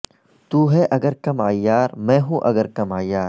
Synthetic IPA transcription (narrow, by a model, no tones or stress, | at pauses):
t̪uːɦɛʔɐɡəɾkɐmaːijːaːɾmɛ̃ːɦũʔɐɡəɾkɐmaːijaːɾ